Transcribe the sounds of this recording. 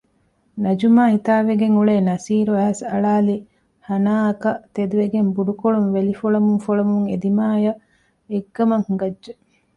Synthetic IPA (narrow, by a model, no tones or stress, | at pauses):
nɐd͡ʒumaːhit̪aːʋeɡeŋuɭeːnɐsiːɾuæɦɐsɐɭaːli | hɐnaːɐkɐt̪ed̪uʋeɡembuɖukoɭuŋʋelifoɭɐmuŋfoɭɐmuŋḛd̪imaːjɐ | eɡːɐmɐŋhuɡɐdːʒe